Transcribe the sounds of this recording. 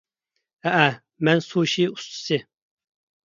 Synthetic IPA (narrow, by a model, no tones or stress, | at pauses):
hɛʔæ | mɛnsuʃiu̥st̪ʰɨ̥sɨ